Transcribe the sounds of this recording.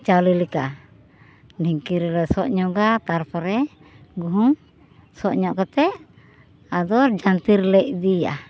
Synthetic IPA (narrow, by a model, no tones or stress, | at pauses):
t͡ʃawlilika | diŋkiɾɛlɛsɔʔɲɔɡat̪aɾpɔɾɛ | ɡuɦuŋ | sɔʔɲɔʔkat̪ɛʔ | ad̪ɔɾd͡ʒant̪iɾlɛʔd̪ia̰